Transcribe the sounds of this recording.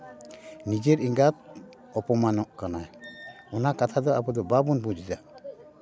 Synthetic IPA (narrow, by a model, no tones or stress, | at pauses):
nid͡ʒeɾiŋɡat̪̚ | ɔpɔmanɔʔkanaj | ɔnakat̪ʰad̪ɔabɔd̪ɔbabunbud͡ʒid͡ʒaʔ